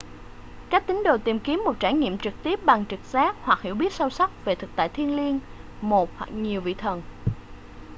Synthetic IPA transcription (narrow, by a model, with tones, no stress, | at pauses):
kaː˦˥k̚t̪ï˨˦ŋ̟ɗo˨˩t̪i˨˩mki˨˦əmːo˨˩t̚t͡ɕaː˧˩ɲḭ˧˨əmt͡ɕɨ˨˩k̚t̪i˦˥əp̚ɓa˨˩ŋt͡ɕɨ˨˩k̚saː˦˥k̚hwa˨˩k̚hḭ˧˩əwɓi˦˥ət̚sə˧wsa˦˥k͡p̚ve˨˩t̪ʰɨ˨˩k̚t̪a̰ː˧˨jt̪ʰi˧ənli˧ənmo˨˩t̚hwa̰˨˩k̚ɲi˨˩əwvḭ˧˨t̪ʰə˨˩n